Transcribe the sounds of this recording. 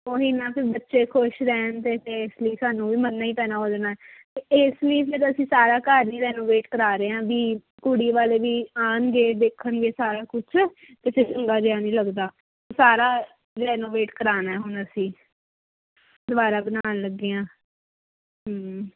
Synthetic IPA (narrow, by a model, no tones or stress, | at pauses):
oːɪnãːpɪɾbətːʃeːkʰoʃɾɛːnt̪eːpeɪsləiːsaːnũːʋiːmənːaːiːpɛːnaːɦoːd͡ʒnaːɛːt̪eːɪsləiːpʰɪɾəsĩːsaːɾaːkaːɾniːɾɛːnoːʋeːʈkəɾaːɾeːãːʋiː | kʊɽiːʋaːleːʋiːaːnɡeːd̪eːkʰːənʋeːsaːɾaːkʊt͡ʃʰː | t̪eːpʰɪɾt͡ʃəŋɡaːd͡ʒeaːnĩːləɡd̪aː | saːɾaː | ɾɛːnoːʋeːʈkəɾaːnaːɛːɦʊnəsĩː | d̪ʊʋaːɾaːbənaːnləɡːeːãː | ɦ